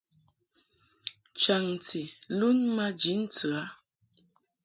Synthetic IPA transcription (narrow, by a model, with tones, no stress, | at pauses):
t͡ʃa˨ŋ˨tʰi˨lu˦nma˦d͡ʒi˨˦n̩˦t͡su˨a˨˦